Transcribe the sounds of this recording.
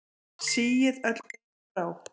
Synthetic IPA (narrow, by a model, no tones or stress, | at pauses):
siːjɪðœt̪l̥k | aw